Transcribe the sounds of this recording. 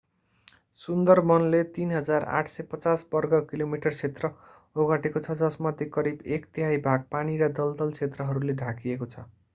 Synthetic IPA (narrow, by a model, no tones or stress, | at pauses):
sund̪ʌrmʌnlet̪inɦʌd͡zara̰ʈʰsʌjpʌt͡sasbʌrɡʌkilomiʈʌrt͡sʰet̪rʌ | oɡaʈekot͡sʰʌd͡zʌsmʌd̪ʱjekʌɾibekt̪iɦajbʱaɡ̚paniɾad̪ʌld̪ʌlt͡sʰet̪rʌɦʌɾuleɖʱakiekot͡sʰʌ